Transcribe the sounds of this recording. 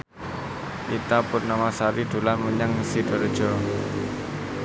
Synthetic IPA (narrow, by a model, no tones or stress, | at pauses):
ʔit̪apʊrnamasaɾiɖ̪̥o̤lanmuɲaŋsiɖ̥ɔ̤rd̥ʒ̥ɔ̤